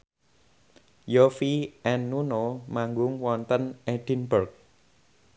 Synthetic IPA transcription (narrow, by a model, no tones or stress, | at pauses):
jofiʔɛnːunomaŋɡʊŋwɔnt̪əneɖ̥inbərk̚